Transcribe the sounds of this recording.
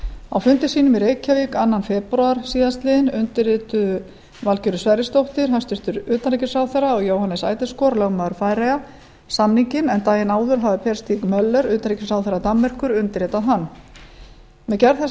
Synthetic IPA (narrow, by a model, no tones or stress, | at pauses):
awfʏnt̪ɪsiːnʏmɪɾejcʰavikanːanfɛpɾuaɾ̥siːðast̪lɪðɪnʏnt̪ɪɾɪːt̪ʏ | valcʏɾʏsvajɾɪst̪owht̪ɪɾ̥ɦanst̪ʏɾ̥t̪ʏɾʏːt̪anɾicɪ̥saːwθɛɾaɔɣjoːwhanɛsaːjt̪ɪskɔɾlœɣmaðʏɾfaːjɾaja | samniɲcɪnɛnt̪aːjɪnaːwðʏɾ̥ɦavɪpʰɛɾ̥st̪ikmœlːœɾʏːt̪anɾicɪ̥saːwθɛɾat̪amːɛr̥kʏɾʏnt̪ɪɾɪːt̪aðɦanː | mɛðcɛɾθɛ